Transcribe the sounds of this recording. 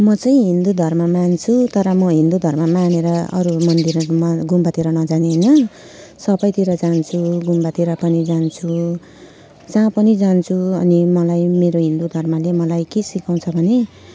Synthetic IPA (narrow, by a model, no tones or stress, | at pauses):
mʌt͡sʌĩɦind̪ud̪ʱʌrmamant͡sʰut̪ʌɾʌmʌɦind̪ud̪ʱʌrmamaneɾʌʌ̰ɾumʌnd̪irmʌɡumbat̪iɾʌnʌd͡zaneɦnʌ | sʌbʌjt̪iɾʌd͡zant͡sʰuɡumbat̪iɾʌpʌnid͡zant͡sʰu | d͡zãpʌnid͡zant͡sʰuʌnimʌlajmeɾoɦind̪ud̪ʱʌrmalemʌlajkesikaw̃t͡sʰʌbʱʌne